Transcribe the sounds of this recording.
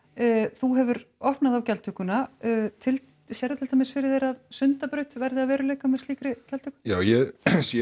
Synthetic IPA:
θuɦɛvʏɾɔhpnaðawcɛlt̪ʰʏkʏnat̪ʰɪl | sjɛɾðʏt̪ʰɪlt̪ʰamɪsfɪɾɪðθejɾaðsʏnt̪apɾʏt̪vɛɾðɪaðvɛːɾʏleːkamɛst̪iːkɾɪcɛlt̪ʰʏ̥hkʏjaːwjɛsjɛ

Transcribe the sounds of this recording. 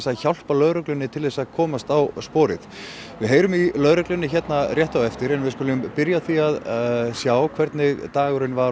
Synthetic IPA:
saðçawl̥palœðɾœklʏnːɪt̪ʰɪlðɛsːaðkʰɔːmast̪awspɔːɾɪ̰ð | vɪðɦeːjɾʏmilœðɾœklʏnːɪçɛt̪narjɛht̪awɛft̪ɪɾɛnvɪðskʏːlʏmpɪɾjaθiaðsjaːwkʰvɛɾt̪nɪt̪aːɣʏɾɪnvaɾ

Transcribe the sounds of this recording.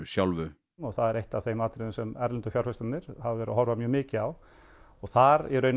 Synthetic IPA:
sjawlvʏ | ɔɣθaðɛɾejht̪avθejmaːt̪ɾɪðɪnsɛmɛɾlɪnt̪ɔfjawɾ̥fœst̪anɪɾ̥havvɛːɾa̰ɦɔɾvamjœːmɪːcɪaw | ɔɣθaɾiɾœʏn

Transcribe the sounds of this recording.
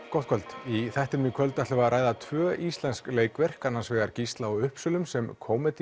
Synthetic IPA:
kɔwht̪̚kʰœlt̪iθɛht̪ɪnmikʰœlt̪aht̪lʏvaɾaːjðat̪ʰvœːʔist̪lɛnskleːjkvɛr̥kanːansvɛːɣaɾcist̪laɔʏhpsʏlʏmsɛmkʰoːwmɪt̪

